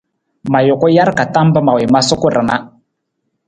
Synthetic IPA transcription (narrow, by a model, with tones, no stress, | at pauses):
ma˨jʊ˨kʊ˦ja˦ɾka˨ta˦mbə˦ma˨wɪ˨ma˦sʊ˦kʊ˦ɾə˨na˦